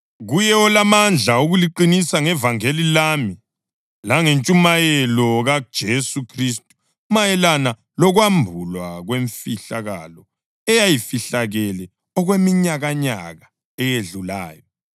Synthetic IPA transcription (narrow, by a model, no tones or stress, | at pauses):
ɣujɛɔlamand͡ɮʱaoɣuliǃinisaŋɛvaŋelilami | laŋent͡ʃʼumajɛlɔɣad̥ʒ̥ʱesukʰris̬tʼu̥ | majɛlana | lɔɣwambʱulwaɣweɱfiɬaɣa̰lɔ | ɛjajifiɬaɣɛlɛ | ɔɣwemiɲaɣaɲa̰ɣa | ɛjeɮula̰ːjɔ